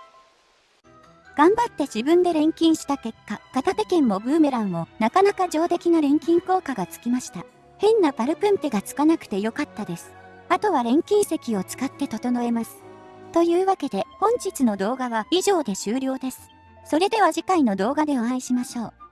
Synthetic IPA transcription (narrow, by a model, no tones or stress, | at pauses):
ɡ̥ãmbat̪ːe̞ʑibɯ̟̃nd̪e̞ɾẽ̞ŋkʲĩɰ̃ɕi̥t̪ake̞kːakat̪at̪e̞kẽ̞mːo̞bɯ̟ːme̞ɾãɰ̃o̞nakanakad͡ʑo̞ːt̪e̞kʲinaɾẽ̞ŋkʲĩŋko̞ːkaɡat͡sɨ̥kʲimaɕi̥t̪a | hẽ̞nːapaɾɯ̟pɯ̟̃mp̪eɡat͡sɨ̥kanakɯ̟̥t̪e̞jo̞kat̪ːad̪e̞sɨ̥ | at̪o̞βaɾẽ̞ŋkʲĩɰ̃se̞kʲio̞t͡sɨ̥kat̪ːe̞t̪o̞t̪o̞no̞e̞masɨ̥ | t̪o̞jɯ̟ːβake̞d̪e̞hõ̞ɲ̟d͡ʑit͡sɨno̞d̪o̞ːɡaβaiʑo̞ːd̪e̞ɕɨːɾʲjo̞ːd̪e̞sɨ̥ | so̞ɾe̞d̪e̞βaʑikaino̞d̪o̞ːɡad̪e̞oãiɕimaɕo̞ː